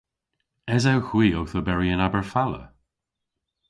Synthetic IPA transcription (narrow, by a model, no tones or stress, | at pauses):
ɛzawhw̥iːɔwθobɛɹiənabəɹfalə̰